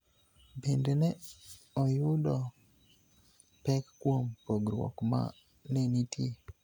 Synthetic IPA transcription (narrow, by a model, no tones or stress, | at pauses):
bendenɛ | ɔjʊdɔ | pɛkːwompoɡɾwɔ̰kma̰ | nenitʰje